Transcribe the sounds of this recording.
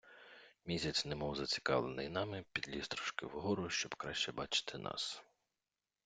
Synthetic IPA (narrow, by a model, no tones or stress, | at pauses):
mʲisʲɐt͡sʲnɛmɔwzɐt͡sʲi̥kɑ̰ʋlˠenɪ̰jnɑmɪpʲid̪ʲlʲist̪ɾɔ̥ʃkɪ̰wɦɔɾʊʃt͡ʃɔb̥kɾɑʃt͡ʃɛbɑt͡ʃɪ̥t̪ʰɪnʔɑ̰s